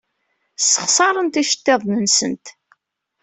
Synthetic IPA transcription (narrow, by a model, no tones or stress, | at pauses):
səχsˤɑɾˤənt̪iʃə̥t̪ːeðˤnənsə̰nt̪